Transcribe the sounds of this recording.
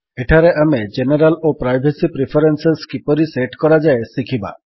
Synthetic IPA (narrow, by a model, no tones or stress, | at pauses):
eʈʰaɾeʔamed͡ʒeneɾalopɾajbʱesipɾipʰɔɾenseskipɔɾiseʈkɔɾad͡ʒaesikʰiba̰